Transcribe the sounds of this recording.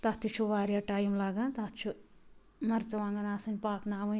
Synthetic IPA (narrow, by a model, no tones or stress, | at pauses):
t̪at̪it͡ʃʰuʋaːɾjaʈaːjimlaɡãt̪at̪t͡ʃʰu | nɐɾt͡sɐwaːŋɡɐnaːsɐnʲpaːknaːwɐ